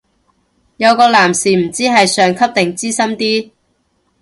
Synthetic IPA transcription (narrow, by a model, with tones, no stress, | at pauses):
jɐ˨˧wkɔː˧laː˨˩msiː˨˩m̩˨˩t͡siː˥ɦɐ˨jsœː˨ŋkʰɐ˥p̚t̪ɪ˨ŋt͡siː˥sɐ˥mt̪iː˥